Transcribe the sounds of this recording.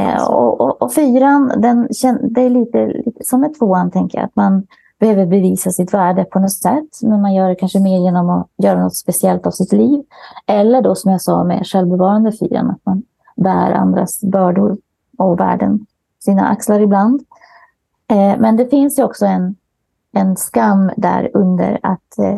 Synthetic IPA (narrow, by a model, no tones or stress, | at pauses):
ɔ̰ɔʔɔfyːɾand̪ɛnɕɛnd̪ɛæɭiːt̪əlḭːt̪əsɔmɛt̪ʰvoːant̪ʰɛŋkəja̰a̰t̪man | b̥ɛhøːvəɾbɛviːsasɪt̪væːɖəpʰɔnɔt̪sɛt̪ːmɛnmanjœːɖɛkʰanʂəmeːɾjeːnɔmɔjœːɾanɔt̪ːspɛsɪɛlt̪avsɪt̪liːvɛlːəɖɔsɔmjasɑ̰ːmɛ̰ʂɛlvbɛvɑːɾand̪əfy̰ːɾa̰na̰t̪man | bæːɾa̰nd̪ɾa̰sbœːɖʊɾ | ɔvæ̰ːɖə̰n | siːna̰ʔa̰kslaɾɪbland̪ | mɛnd̪ɛfɪnsjɵɔksɔɛn | ɛnskamːd̪æ̰ːɾɵnd̪ə̰ɾa̰t̪